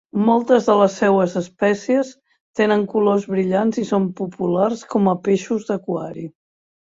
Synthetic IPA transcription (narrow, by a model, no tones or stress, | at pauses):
mɔlˠt̪əzðələsːɛwəzəspɛsiəs | t̪enəŋkulozβɾiʎanzisompupularskɔməpeʃuzðəkwaɾi